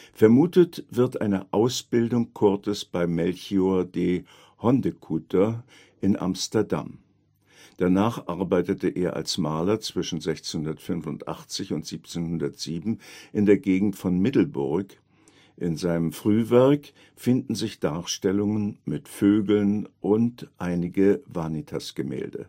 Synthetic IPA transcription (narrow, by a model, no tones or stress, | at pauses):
fɛɐmuːtətv̥ɪɐtʔaɪnəʔaʊsb̥ɪldʊŋkʰʊɐtəsb̥aɪmɛlçioɐdeː | hɔndəkʰutɐ | ʔɪnʔa̰mstɐɐda̰m | d̥anaːχʔaɐbaɪtətəʔeːɐʔa̰lsmaːlɐt͡sv̥ɪʃn̩zɛçt͡senhʊndɐtfʏnfʊntʔa̰χt͡sɪçʊntz̥iːp̚t͡seːnhʊndɐtz̥iːbm̩ʔɪndeːɐɡeːɡŋ̩tfɔnmɪtl̩bʊɐk | ʔɪnzaɪnəmfʁ̥yːvɛɐk | fɪndn̩zɪçd̥aːɐʃtɛlʊŋənmɪtføːɡl̩nʔʊntʔaɪnɪɡəvanitʰasɡ̥əmɛ̰ːldə̰